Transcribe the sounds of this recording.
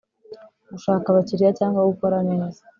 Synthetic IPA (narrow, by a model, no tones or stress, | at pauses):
ɡuʃaːkaβaciɾijacaːŋɡwaɡuko̞ɾane̞ːzḁ